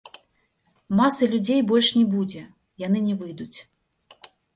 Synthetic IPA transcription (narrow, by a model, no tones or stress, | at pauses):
masɐlʲud͡zʲejbɔlʲʂnʲɛbud͡zʲɛ | janɨnʲɛvɨjd̪ut͡sʲ